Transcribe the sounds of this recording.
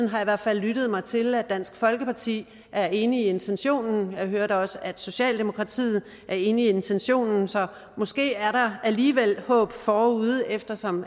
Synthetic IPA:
n̩ɦɑ̈iʋæɐ̰̥fæl̰lyd̥ð̩ˠmɑ̈ɪt͡sʰe̝læd̥æn̰sɡ̥fɒ̽lɡ̥əpʰɑ̈t͡sʰḭː | ʔæɐe̝ːniie̝nt͡sʰenɕo̝̰ːnn̩jɑɪɦøːɐɾəɒ̽səæd̥so̝ɕɛ̰ːld̥e̝mo̝kʰʁɑ̈t͡sʰḭːð̩ˠ | ʔæɐe̝ːniie̝nt͡sʰenɕo̝̰ːnn̩sɒ̽ | mɒ̽sɡ̥e̝̰ːæɐɾɑ̈æliːʋel̰hɔ̰̽ːb̥fɒːuð̞ˠefd̥ɐsɒ̽m

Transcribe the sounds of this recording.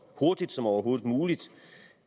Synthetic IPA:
ho̝ɐd̥id̥sɒ̽mɒʊɐɦo̝ːð̩ˠmuːlid̥

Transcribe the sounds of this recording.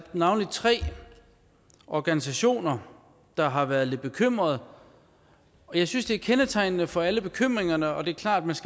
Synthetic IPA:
nɑ̈ʊnlit͡sʰʁɛ̰ː | ʔɒɡ̥ænisæɕo̝̰ːnɐ | d̥ɑ̈ɦɑ̈ʋæːɐðˠle̝d̥̚b̥e̝kʰøm̰ʁɐð̞̩ˠ | ɒ̽jɑ̈ɪsynsd̥e̝æɐkʰenət͡sʰɑ̈ɪnnəfɒ̽æləb̥e̝kʰøm̰ʁeŋɐnəɒ̽d̥e̝æɐkʰlɑ̰̈ːd̥mænsɡ̥

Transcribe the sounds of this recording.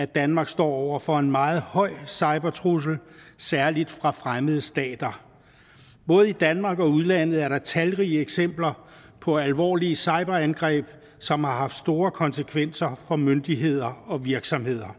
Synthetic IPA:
æd̥ænmɑ̈ːɡ̥sd̥ɒ̰ːɒʊ̰ɐfɒ̽e̝nmɑ̈ːð̞̩ˠhɒ̽ɪ̰sɑ̈ɪb̥ɐt͡sʰʁus̬l̩sæɐlid̥fʁɑ̈fʁaməð̞ˠəsd̥ɛ̰ːd̥ɐ | b̥ɔ̽ːð̞̩ˠid̥ænmɑ̈ɡ̥ɒ̽uðˠlæn̰ð̞̩ˠæɐɾɑ̈t͡sʰælʁiəeɡ̥sem̰b̥lɐ | pʰɒ̽ælʋɒ̰ːliəsɑ̈ɪb̥ɐænɡ̥ʁɛ̰ːb̥̚ | sɒ̽mhɑ̈ɦɑ̈fd̥sd̥o̝ːɐkʰɒ̽nsəkʰʋen̰sɐfɒ̽mønd̥iɦe̝ð̞̰ˠɐɒ̽ʋiɐɡ̥sɒ̽mhe̝ð̰ˠɐ

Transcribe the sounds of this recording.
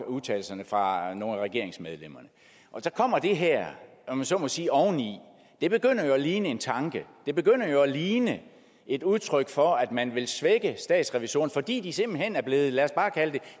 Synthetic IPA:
uðˠt͡sʰɛ̰ːl̩sɐnəfʁɑ̈no̝ːnæʁɛɡ̥e̝ɐ̰eŋsmeð̞ˠlem̰ɐnə | ʔɒ̽sɒ̽kʰɒ̽m̰ɐd̥e̝ɦæɐ̰ | ɒmænsɒ̽mɒ̽siːɒʊni | d̥e̝b̥e̝ɡ̥øn̰ɐjo̝æliːnəe̝nt͡sʰɑ̈ŋɡ̥əd̥e̝b̥e̝ɡ̥øn̰ɐjo̝æliːnə | e̝d̥uðˠt͡sʰʁœɡ̥fɒ̽æd̥mænʋe̝lsʋeɡ̥əsd̥ɛ̰ːd̥sʁɛʋiso̝̰ːn̩fɒ̽d̥ḭːd̥ise̝mb̥l̩hen̰æɐb̥le̝ːð̩ˠlæːɐsb̥ɑ̈ːkʰæləd̥e̝

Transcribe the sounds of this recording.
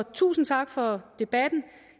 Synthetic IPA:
t͡sʰṵːsn̩t͡sʰɑ̈ɡ̥fɒ̽d̥e̝b̥æd̥n̩

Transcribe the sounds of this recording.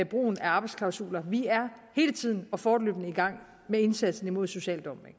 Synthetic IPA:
æb̥ʁṵːn̩æɑ̈ːb̥ɑ̈ɪdskʰlɑ̈ʊsṵːlɐʋiæɐhe̝ːlət͡sʰið̞̰ˠn̩ɒ̽fɒːd̥lø̰ːb̥ənəiɡ̥ɑ̈ŋ̰ | mee̝nsæd̥sn̩imo̝ð̞̰ˠso̝ɕɛ̰ːld̥ɒ̽mb̥eŋ

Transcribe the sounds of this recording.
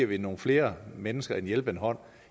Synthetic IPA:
ɐ̰ʋino̝ːn̩fle̝ːɐmenəsɡ̥ɐenjelb̥əenɦɒ̽n̰

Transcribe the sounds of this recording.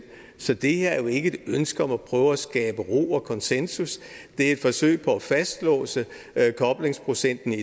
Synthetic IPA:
sɒ̽d̥e̝he̝ɐ̰æɐjo̝e̝ɡ̥ədønsɡ̥əɒ̽mæpʰʁœːʊæsɡ̥ɛːb̥əʁo̝̰ːɒ̽kʰɒ̽nsensusd̥e̝ɐe̝d̥fɒ̽sø̰ɪ̰pʰɒ̽æfæsd̥lɔ̰ːsə | kʰɒ̽b̥le̝ŋspʰʁo̝sen̰d̥n̩i

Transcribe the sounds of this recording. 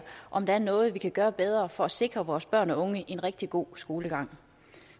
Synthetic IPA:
ʔɒ̽md̥ɑ̈æɐnɔ̽ːð̞̩ˠʋikʰæɡ̥ɶːɐb̥eð̞ˠʁɐfɒ̽æse̝ɡ̥ʁɐʋɒːsb̥ɶɐ̰nɒɔ̽ŋəʔe̝nʁɛɡ̥̚d̥iɡ̥o̝̰ːsɡ̥o̝ːləɡ̥ɑ̈ŋ̰

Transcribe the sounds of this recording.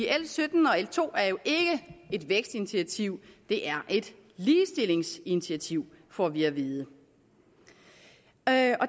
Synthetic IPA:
iʔel̰sød̥n̩ɒ̽elt͡sʰo̝̰ːæɐjo̝ʔe̝ɡ̥əe̝d̥ʋeɡ̥sd̥i̝nit͡sʰiæt͡sʰiʊ̰d̥e̝ʔæɐʔe̝d̥ | liːsd̥e̝l̰e̝ŋsinit͡sʰiæt͡sʰiʊ̰fɒʋiæʋiːðˠə | ɒ̽

